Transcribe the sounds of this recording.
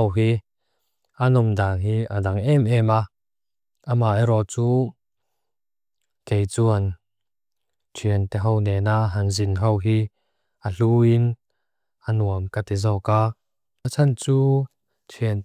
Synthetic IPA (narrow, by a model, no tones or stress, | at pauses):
wɦi | ʔanɔmdaŋɦiːadaŋɛmʔɛma | ʔamaːʔeɾɔt͡suː | kejt͡suɐn | tʰiənt̪ɛɦownɛːnaɦɐŋzinɦowɦi | ʔaɬuːin | ʔanuəmkat̪ɛzɔːkaː | t͡sʰant͡suː | tʰiən